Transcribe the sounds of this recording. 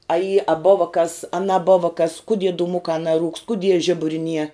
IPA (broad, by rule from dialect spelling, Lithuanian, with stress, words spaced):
ɐ iː ɐ ˈboːʋɐ kɐs ɐ nɐˈboːʋɐ kɐs kʊˈdʲiɛ duːˈmʊkɑː nɐˈruːkst kʊˈdʲiɛ ˈʒʲɪbʊrʲɪ nʲiɛ